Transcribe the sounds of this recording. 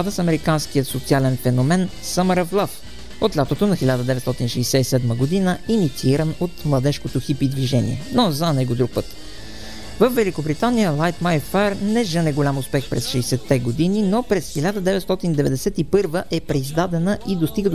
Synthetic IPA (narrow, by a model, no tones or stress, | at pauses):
ad̪əsɐmɛɾikansk̟iət̪sot̪sialɛnfɛnomɛn | səməɾəvlˠaf | ot̪lʲat̪ot̪onɐxɛlʲad̪əd̪ɛvɛt̪st̪ɔt̪inʃɛːsɛisɛd̪məɡod̪inəinit̪siiɾənot̪mlˠɐd̪ɛʃkot̪oxipid̪viʒɛnḭɛ̰nozɐnɛɡod̪ɾuk̚pɤt̪ | vəfvːɛlikobɾit̪anijəlˠajt̪majfɛɾnɛʒənɛɡolʲamʊspɛxpɾɛsʃɛjsɛt̪ːɛɡod̪ininopɾɛsxɛlʲad̪əd̪ɛvɛt̪st̪ɔt̪ind̪ɛvɛd̪ɛsɛt̪ipɤɾvəʔɛpɾɛizd̪ad̪ɛnəʔid̪ost̪iɡəd̪